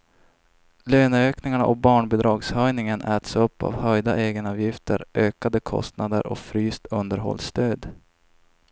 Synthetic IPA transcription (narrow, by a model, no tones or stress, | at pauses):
løːnøːknɪŋaɳaʔɔk̚bɑːɳbɛd̪ɾɑːɡshœjnɪŋənʔɛːt̪sɵpːa̰vhœjd̪aʔeːɡənɑːvjɪft̪ʰəɾʔøːkad̪əkʰɔ̰st̪nad̪ə̰ɾʔɔ̰fɾyːst̪ɵnd̪əɾɦɔ̰lːst̪øːd̪